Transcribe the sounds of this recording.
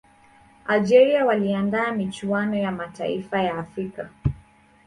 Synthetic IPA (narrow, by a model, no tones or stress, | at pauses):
ald͡ʒɛɾiawaliandaːmit͡ʃuanɔjamataḭfajaːfɾika